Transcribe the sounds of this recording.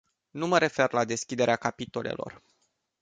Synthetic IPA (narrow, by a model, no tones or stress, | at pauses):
numəɾe̞fe̞rlad̪e̞skʲid̪e̞ɾeakapit̪o̞le̞̰lo̞̰r